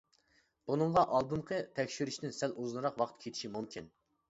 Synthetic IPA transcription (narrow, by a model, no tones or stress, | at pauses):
b̥unɨɴʁɑʔɑlˠd̪ɨmqʰət̪ʰɛkʲʃiɾyʃt̪ɪnsæluznɨɾɑqwɑqt̪kʲʰet̪ʰi̥ʃimumkʲʰin